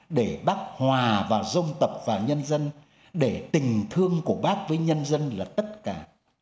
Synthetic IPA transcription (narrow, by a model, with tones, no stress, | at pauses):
ɗe˧˩ɓaː˦˥k̚hwaː˨˩vaː˨˩zə˧wŋ͡mt̪ə˨˩p̚vaː˨˩ɲə˧nzə˧n | ɗe˧˩t̪ï˨˩ŋ̟t̪ʰɨ˧əŋku˧˩əɓaː˦˥k̚vəː˨˦jɲə˧nzə˧nlaː˨˩t̪ə˦˥t̚kaː˧˩